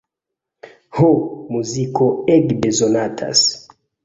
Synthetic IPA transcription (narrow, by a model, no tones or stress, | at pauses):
homuzikoɛɡbezonatʰa̰s